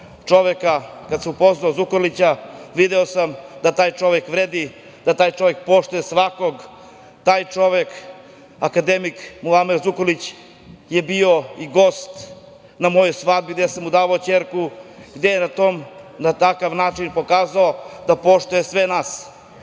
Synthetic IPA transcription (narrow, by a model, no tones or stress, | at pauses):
t͡ʂo̞ʋekakad̪semupo̞znaozukolit͡ɕaʋid̪eosamd̪at̪aːjt͡ʂo̞ʋekʋɾeːd̪i | d̪̥at̪aːjt͡ʃo̞ʋek̚po̞ʃt̪ujesʋako̞ɡ | t̪aːjt͡ʂo̞ʋek | akad̪emikmulameɾzukolit͡ɕ | jebio̞iɡo̞ːst̪ | namo̞jojsʋad̪̚biɡd̪esamud̪aːʋaot͡ɕeːɾkuɡd̪ejenat̪oːmnat̪akaʋnaːt͡ʃinpo̞kaːzaod̪apo̞ʃt̪ujesʋenaːs